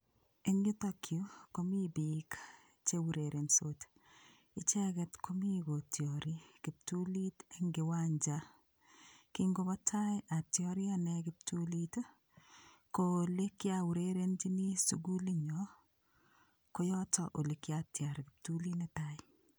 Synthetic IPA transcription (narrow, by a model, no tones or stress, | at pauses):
eɲutakʰjokomibik | t͡ʃewuɾeɾʔensot | it͡ʃɛkɛtkomiɡotʰjɔɾikɪp̚tuliteŋɡɪwaɲd͡ʒa | kiŋɡobɔtajʔatjɔɾjanɛkɪp̚tulit | kolekjawuɾeɾend͡ʒinisuɡuliɲɔ | kojɔtɔ̰ʔolekjatjaɾkɪp̚tulinetaɪ